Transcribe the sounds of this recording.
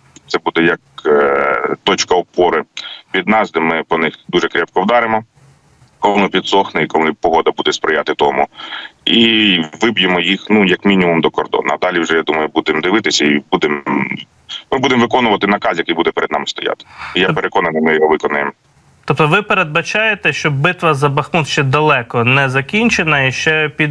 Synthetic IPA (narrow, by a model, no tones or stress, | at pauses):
t̪ɛbud̪ɛjɐk̚ | t̪ɔt͡ʃkɐɔpɔɾɪʋʲid̪nɑzd̪ɪmɪpɔnɪxd̪uʒɛkɾʲɛpkɔwd̪ɑɾɪmɔ | kɔlˠmˠɪpʲid̪sɔxnɪikɔlˠɪpɔɦɔd̪ɐbud̪ɛspɾɪjat̪ɪt̪ɔmʊiʋɪbjemɔjixnujɐkmʲinʲimumd̪ɔkɔrd̪ɔ̰nɐɐd̪ɑlʲiwʒɛjad̪umɐjʊbud̪ɪmd̪ɪʋɪt̪ɪsʲɐibud̪ɪm | mɪbud̪emʋɪkɔnʊʋɐt̪ɪnɐkɑsjɐkɪjbud̪ɛpeɾʔed̪nɑ̰mɪst̪ɔjɑ̰t̪ɪ̥ijapeɾʔekɔnɐnɪjmɪjɔɦɔʋɪkɔnʊjem | t̪ɔp̚t̪ɔʋɪpeɾed̪̚bɐt͡ʃɑjet̪ɛʃt͡ʃɔbɪt̪ʋɐzɐbɐxmunʃt͡ʃɛd̪ɐlˠɛkɔnɛzɐkʲinʲt͡ʃenɐiʃt͡ʃɛpʲid̪